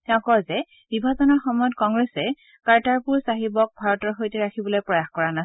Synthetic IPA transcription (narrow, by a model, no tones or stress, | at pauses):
tɛʊ̃kɔzɛ | bibʱazɔnɔɹxɔmɔjɔt̚kɔŋɡɹɛsɛ | kaɹtaɹpuɹsaɦibɔk̚bʱaɹɔtɔɹxojtɛɹakʰibɔlojpɹɔjaxkɔɹanas